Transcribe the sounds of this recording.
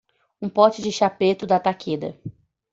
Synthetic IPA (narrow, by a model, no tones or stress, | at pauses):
ũpɔt͡ʃɪd͡ʒɪʃapet̪ʊd̪at̪akʰed̪ɐ̰